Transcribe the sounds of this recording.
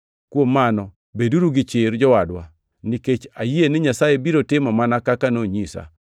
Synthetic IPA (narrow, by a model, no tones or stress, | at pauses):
kwomːanɔ | beduɾuɡɪt͡ʃɪɾd͡ʒɔwadwa | niket͡ʃajienɪɲasajebiɾotɪmɔmanakakanoɲisa̰